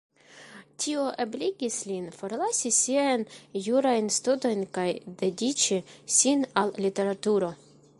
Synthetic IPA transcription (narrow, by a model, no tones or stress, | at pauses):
tʲʰio̞ʔebliɡʲislinfo̞ɾlasisiajnjuɾajnstuto̞jnkajd̪e̞dit͡ʃisinallite̞ɾatuɾo̞